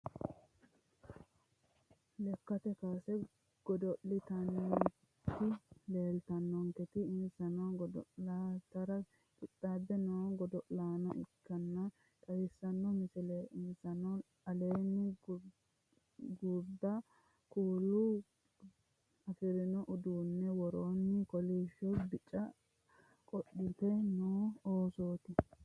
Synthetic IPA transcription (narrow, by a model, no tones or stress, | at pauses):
lɛkːɐt̪ɛkaːsɛ | ɡ̥ɔd̪ɔʔːɪt̪ɐn | t̪ːɪleːlt̪ɐnːɔŋkɛt̪ɪɪnsɐnoɡɔd̪ɔlaːt̪ɐɾɐ | kʼɪt̪ʼːaːbːɛnɐɡɔd̪ɔʔlaːnɐʔɪ̰kːɐnːɐ | k̪ʼɐjɪsːɐnːɔmɪsɪleːɪnsɐnɔ | ɐleːnːɪ | ɡuɾd̪ɐ | kuːlːʊ | ɐfɪɾɪnɔʔʊd̪uːnːɛwɔɾoːnːɪkɔliːʃɔbɪt͡ʃʼːɐ | kʼɔɗːɪt̪ɛjnoːoːsoːt̪ɪ